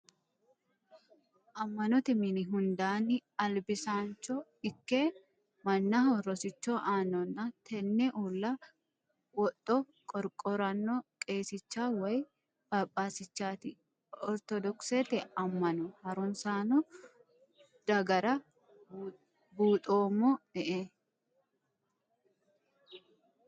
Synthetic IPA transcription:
ʔɐmːɐnɔt̪ɪmɪnɪɦʊnd̪aːnɪɐlbɪsaːnt͡ʃːɔɪkːe | mɐnːɐhɔrːɔsɪt͡ʃːoʔaːnːɔnːɐt̪ʰɛnːɛʔuːlːɐ | wɔt̪ʼːɔ | kʼɔɾkʼɔɾɐnːɔkʼe̞ːsɪt͡ʃːaːwɐj | b̥ɐpʼːaːsɪt͡ʃːaːt̪ɪ | ɔɾt̪ɔd̪ɔkset̪ɛɐmːɐnɔhɐɾʊnsaːnɔ | d̪̥ɐɡɐɾɐ | buːt̪ʼoːmːɔɛʔe

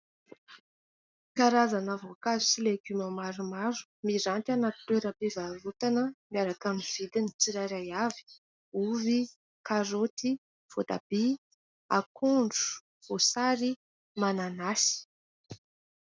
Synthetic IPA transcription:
kaɾazanəvokazusileɡymamaɾumaɾu̥miɾant̪anat̪i̥t̪eɾəpivalut̪anəmiaɾakamiv̥id̪init͡siɾajɾajavi̥ | uvi | kaɾot̪i | v̥od̪a̰b̥i | a̰kʰuɳɖ͡ʐu̥ | v̥osaɾi | mananasi̥

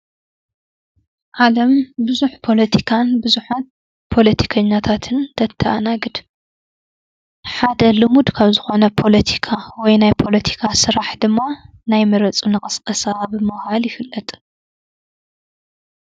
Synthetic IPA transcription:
ʔalɐmbɨzuħpʰo̞lɐt̪ʰikʰanbɨzuħat̪̚ | pʰo̞lɐt̪ʰi̥kʰɐɲːat̪ʰat̪ʰɨnt̪ʰɐt̪ʰːɐanaɡɨd̪ | ħad̪ɐlɨmud̪kʰaβzɨxo̞nɐpʰo̞lɐt̪ʰi̥kʰawɔjnajpʰo̞lɐt̪ʰi̥kʰasɨɾaħd̪ɨmːa | najmɐɾɐt͡sʼunɨkʼɐskʼɐsabɨmɨhaljɪfɨlːɐt̪ʼ

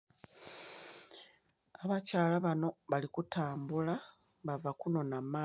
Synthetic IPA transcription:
aβacaːlaβano̞βalikutaːmbula | βavakuno̞namːaː

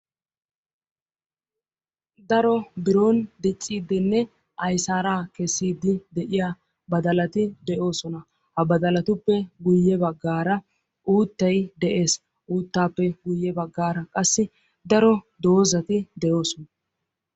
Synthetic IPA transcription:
d̪ɐɾɔbɪɾo̞ːnd̪ɛt͡sʼːiːd̪ɪnːɛ | ʔɐjsaːɾaːkɛsːiːd̪ɪd̪ɛʔɪja | bɐd̪ɐlɐt̪ɪd̪ɛʔo̞ːsɔnɐ | hɐbɐd̪ɐlɐt̪ʊpːɛɡʊjːɛbɐɡːaːɾɐ | ʔuːt̪ːɐjd̪ɛʔe̞ːs | ʔuːt̪ːaːpːɛɡʊjːɛbɐɡːaːɾɐkʼɐsːɪ | d̪ɐɾɔd̪o̞ːzɐt̪ɪd̪ɛjo̞ːsɔnɐ

